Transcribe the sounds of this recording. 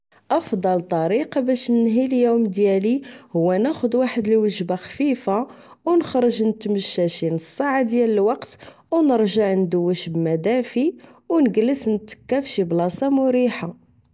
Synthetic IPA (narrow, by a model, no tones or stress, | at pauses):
ʔɑfd̪ˤɑlt̪ˤɑɾiqɑbæʃnənɦiljumd̪jælihʊwːænæxʊd̪waħəd̪əlwəʒbaxfifa | wnəxɾˤəʒnət̪məʃːæʃinəsˤːaʕad̪jæləlwɑqt̪ | wnəɾʒəʕnd̪əwːəʃbmæd̪æfiwnəɡəlːəsnət̪ːə̥kːæfʃiblɑsɑmʊɾiħa